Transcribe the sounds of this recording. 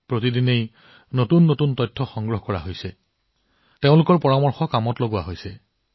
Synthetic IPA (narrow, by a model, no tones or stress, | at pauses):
pɹotidinej | notunːotuntɔjtʰːɔxɔŋɡɹɔɦɔkɔɹa̰ɦojsɛ | teʊ̃lʊkɔɹpɔɹamɔɹxɔkamɔtloɡʊwaɦojsɛ